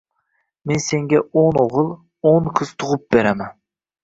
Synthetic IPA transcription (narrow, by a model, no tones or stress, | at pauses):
mense̞ŋɡʲaonoʁɨlˠ | oŋqʰɨz̥t̪ʰʊʁʊp̚beɾamæn